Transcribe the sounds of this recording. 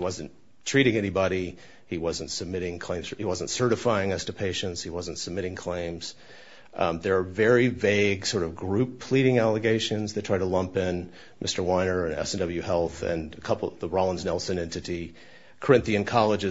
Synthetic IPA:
iwʌzɨ̃n | tʰɹ̥iɾɪ̃ŋɛnibɑɾi | iwʌzɨ̃ntsɨb̚mɪɾɪ̃ŋkʰl̥ẽɪ̃z̥hiwʌzə̃ntsɜ˞ɾɨfaɪɪ̃ŋʌstɨpʰeɪʃɨ̃ntshiwʌzɨ̃ntsəb̚mɪɾɪ̃ŋkʰl̥ẽɪ̃mz̥ | ðə˞ːvɛɹiveɪɡsɔɹɾʌvɡɹʉpʰl̥iɾɪ̃ŋælˠəɡeɪʃɨ̃nzðɨtʰɹ̥aɪɾəlʌ̃mpɪ̃n | mʔɪstə˞wãɪ̃nə˞ɨ̃nɛ̰sn̩dʌbl̩ˠjʉhɛlˠθɨ̰̃nɨkʰʌpl̩ˠʌðəɹɑlˠə̃nznɛlˠsɨ̃nɛ̃ntɨɾi | kʰə˞ɪ̃nθiɨ̃nkʰɑlˠəd͡ʒɨ

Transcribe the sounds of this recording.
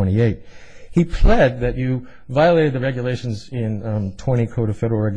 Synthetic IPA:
ɛ̃ɾ̃ieɪt̚hipʰl̥ɛd̪̚ðɨt͡ʃɨ | vaɪəleɪɾd̪̚ðɨɹɛɡjɨleɪʃn̩zɪ̃ntʰw̥ɛ̃ɾ̃ikʰoʊɾʌv̥fɛɾə˞l̩ˠɹɛɡ

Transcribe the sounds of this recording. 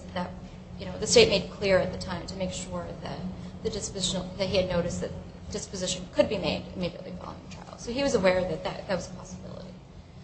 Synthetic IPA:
ðɨt̚ | jɨñoʊðɨsteɪt̚meɪd̚kʰl̥ɪɹɨt̪̚ðɨtʰãɪ̃mtʰɨmeɪkʃʊɹðɨ̰t̪̚ðɨdɪspɨzɪʃn̩ðɨt̚ɦiɨdⁿnoʊɾɨsðɨt̪̚ð | d̥ɨspɨzɪʃɨ̃nkʰɨd̚bimeɪɾɨ̰miɾiɨ̰ʔˡlifɑ̰lˠo̰ʊɪ̃ŋtʰɹ̥a̰ɪl̥ˠsoʊiwʌzəwɛɹðɨt̪̚ðɨ̰t̪̚ðɨt̚wʌzəpʰɑsəbɪ̰lˠə̰ɾḭ

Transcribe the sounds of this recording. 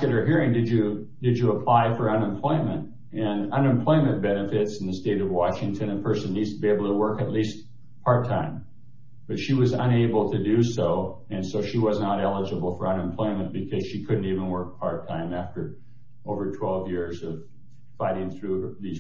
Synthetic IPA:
ɨɾ̚ə˞ɦiɹɪ̃ŋdɨd͡ʒɨ | dɨd͡ʒɨəpʰl̥aɪfə˞ʌ̃nɨ̃mpʰl̥ɔ̃ɪ̃mɨ̃nt | ɨ̃nʌ̃nɨ̃mpʰl̥ɔ̃ɪ̃mɨ̃nb̥ɛnɨfɪtsn̩ðɨsteɪɾʌvwɑʃɪ̃ŋtʰɨ̃nɨ̃pʰɜ˞sɨ̃nidstbieɪbl̩ˠtʰəwɜ˞kɨtˡlist | pʰɑɹtʰãɪ̃m | b̥ʌtʃiwʌzə̃neɪbl̩ˠtʰɨdɨsoʊ | ɨ̃nsoʊʃiwʌznəɾɛlˠəd͡ʒəbl̩ˠfə˞ʌ̃nɨ̃mpʰl̥ɔ̃ɪ̃mɨ̃nb̥ɨkʰʌz̥ʃikʰʊdⁿn̩tivə̃nwɜ˞k̚pʰɑ̰ɹtʰãɪ̃mæftə˞ | ʔoʊvə˞tʰw̥ɛlˠvjɪɹzʌv̥ | faɪɾɪ̃ŋθɹʉðiz

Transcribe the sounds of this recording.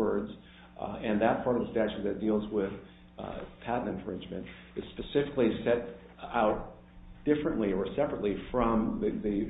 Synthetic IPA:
ə˞dz | ɨ̃nðɨt̚pʰɑɹɾʌvðəstæt͡ʃʉt̪̚ðɨt̚d̥ilˠzwɪð̥ | pʰædⁿn̩ɨ̃ɱfɹɪ̃nd͡ʒmɨ̰̃nt | ɨz̥spɨsɪfɪklisɛɾ | aʊt̚ | d̥ɪfɹɨ̃nʔliə˞sɛpɹətˡlifɹʌ̃mððɨ

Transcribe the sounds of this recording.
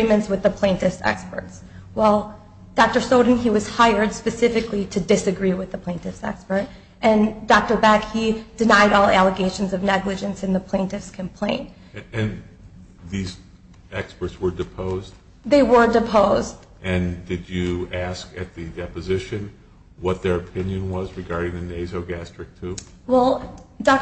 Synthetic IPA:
imɨ̃ntswɨðəpʰl̥ẽɪ̃ntɨfsɛ̰kspə̰˞ts | wɛlˠ | d̥ɑk̚tə˞soʊdn̩iwʌz̥haɪə˞d̥spɨsɪfɨkliɾɨdɨsɨɡɹiwɨðəpʰl̥ẽɪ̃ntɨfsɛ̰kspə˞ɾ | ʔɨ̃ndɑk̚tə˞bækhid̥ɨnaɪɾɔlˠælˠəɡeɪʃɨ̃n̩zʌvnɛɡlɨd͡ʒɨ̃nsɨ̃nðəpʰl̥ẽɪ̃ntɨfskʰɨ̃mpʰl̥ẽɪ̃nt | ɨ̃n | ðiz | ɛkspə˞tswə˞dɨpʰoʊzd | ðeɪwə˞dɨpʰoʊzd | ʔɨ̃ndɨd͡ʒɨæskɨt̪̚ðɨdɛpɨzɪʃɨ̃n | wʌt̪̚ðə˞ɨpʰɪ̃njɨ̃nwʌzɹɨɡɑɹɾɪ̃ŋðɨneɪzoʊɡæstɹ̥ɨk̚tʰʉ | wɛlˠdɑk̚

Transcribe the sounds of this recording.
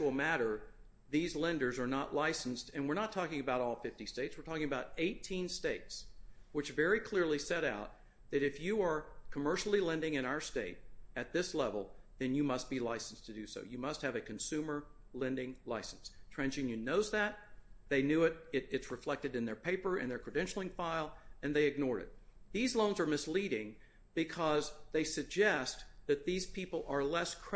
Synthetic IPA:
t͡ʃl̩ˠmæɾə˞ | ðizlɛ̃ndə˞zə˞nəʔˡlaɪsn̩stɨ̃nwɨɹnətʰɔkɪ̃ŋɨbaʊɾɔlˠfɪftisteɪtswɨɹtʰɔkɪ̃ŋəbaʊɾeɪtʰĩnsteɪtswɨt͡ʃvɛɹikʰl̥ɪɹlˠisɛɾaʊt̪̚ | ðɨɾɨfjɨə˞kʰəmɜ˞ʃl̩ˠilɛ̃ndɪ̃ŋɨ̃ɾ̃aʊə˞steɪɾɨt̪̚ðɪslɛvl̩ˠðɨ̃njɨmʌst̚b̥ilaɪsn̩stʰɨdɨso̰ʊjɨmʌst̚hɨvɨkʰɨ̃n̩sʉ̃mə˞ | lɛ̃ndɪ̃ŋlaɪsn̩stʰɹ̥æ̃nd͡ʒɪ̃njɨ̃nːoʊzðæt̪̚ðeɪnjʉɪɾɪɾɨtsɹɨflɛk̚tɨɾɨ̃nðə˞pʰeɪpə˞ɨ̰̃nðə˞kʰɹ̥ɨdɛ̃nʃl̩ˠɪ̃ŋfaɪlˠɨ̃nðeɪɨɡ̚nɔɹɨ̰t̪̚ðizlõʊ̃nzə˞mɨsliɾɪ̃ŋ | b̥ɨkʰʌzðeɪsɨɡ̚d͡ʒɛst̚ðɨt̪̚ðiz̥pʰipl̩ˠə˞lɛskʰ

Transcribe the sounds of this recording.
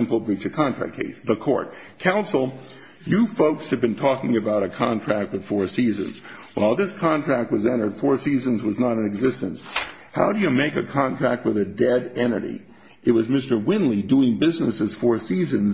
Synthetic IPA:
ɪ̃mpl̩ˠɹit͡ʃɨkʰɑ̃ntɹ̥æ̰k̚kʰḛɪsðəkʰɔ̰ɹt̚ | kʰãʊ̃nsl̩ˠ | jɨfoʊkshɨvbɨ̃ntʰɔkɪ̃ŋɨbaʊɾɨkʰɑ̃ntʰɹ̥æk̚t̚wɨð̥fɔɹsizɨ̰̃nz̥wa̰ɪlˠðɪskʰɑ̃ntʰɹ̥æk̚t̚wʌzɛ̃ɾ̃ə˞d̥fɔɹsizɨ̃nzwʌznəɾɨ̃nɨɡzɪstɨ̃ns | ha̰ʊɾɨjɨmeɪkɨkʰɑ̃ntʰɹ̥æ̰k̚t̚wɨðɨdɛɾɛnə̰ɾḭ | ɨt̚wʌzmɪstə˞wɪ̃nliduɪ̃ŋbɪznɨsɨz̥fɔɹsizɨ̃nz

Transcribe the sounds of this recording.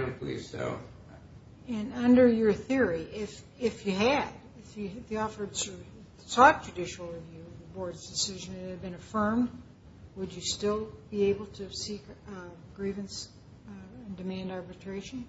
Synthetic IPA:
npʰlḭz̥so̰ʊ | ɨ̃nʌ̃ndə˞jə˞θɪɹiʔɪf | ɪfjɨɨd | ɪfjɨðiɔfə˞dsə˞ | sɔt̚d̥ʒ̥ɨdɪʃl̩ˠɹivjʉʌvðɨbɔɹdzdɨsɪʒɨ̃nɨt̚hɨd̚bɨ̃nɨfɜ̃˞md | wəd͡ʒɨstɪlˠb̥ieɪbl̩ˠtʰɨsik | ɡɹivɨ̃ns | ɨ̃ndɨmæ̃ndɑɹbɨtʰɹ̥eɪʃɨ̃n̩

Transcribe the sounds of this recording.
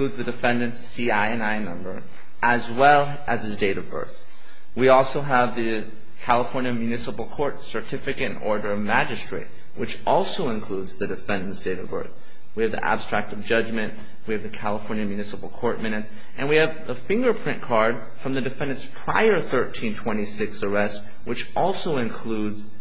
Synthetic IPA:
kludzðɨdɨfɛ̃ndɨ̃ns | iaɪɨ̃naɪnʌ̃mbə˞ | ʔəzwɛlˠ | ʔɨzɨzdeɪɾʌvbɜ̰˞θ | wiɔlˠsoʊəvðɨ | kʰælˠəfɔɹnjɨmjʉnɪsəpl̩ˠkʰɔɹtsə˞tʰɪfɨkɨɾɨ̃nɔ̰ɹɾə˞ʌvmæd͡ʒɨstɹ̥ḛɪt̚ | wɨt͡ʃʔɔlˠsoʊɨ̃nkʰl̥udzðɨdɨfɛ̃ndɨ̃nsd̥eɪɾʌvbɜ̰˞θ | wiɨvðḭʔæ̰b̥stɹ̥æk̚tʌvd͡ʒʌd͡ʒmɨ̃nʔ | wiɨvðɨkʰælˠəfɔɹnjɨmjʉnɪsəpl̩ˠkʰɔɹt̚mɛ̃ñɨts | ʔɨ̃nwiɨv | əfɪ̃ŋɡə˞pʰɹ̥ɪ̃nkʰɑɹd̥ | fɹʌ̃mðɨdɨfɛ̃ndɨ̃nspʰɹ̥aɪə˞θɜ˞tʰĩntʰw̥ɛ̃ɾ̃isɪksə˞ɛst̚ | wɨt͡ʃʔɔlˠsoʊɨ̃nkʰl̥udz̥

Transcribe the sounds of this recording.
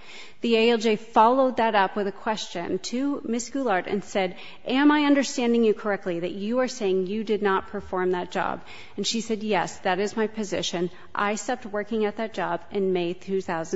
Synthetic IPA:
ðieɪɛlˠd͡ʒeɪfɑlˠoʊd̪̚ðɨɾʌpwɨðɨkʰw̥ɛst͡ʃɨ̰̃ntʰɨmɪsɡ̥ulˠɑɹɾɨ̰̃nsɛɾ | ʔɨ̃maɪʌ̃ndə˞stæ̃ndɪ̃ŋjɨkʰə˞ɛk̚tˡliðɨt͡ʃɨə˞seɪɪ̃ŋjɨdɨdⁿnət̚pʰə˞fɔɹmðɨt̚d̥ʒ̥ɑ̰b | ɨ̃n̩ʃisɛd̚jɛsðɨɾɨzmaɪpʰɨzɪʃɨ̃n | ʔa̰ɪsɛp̚t̚wɜ˞kɪ̃ŋɨt̪̚ðɨt̚d̥ʒ̥ɑbɨ̃nmeɪd̚tʰʉθaʊz

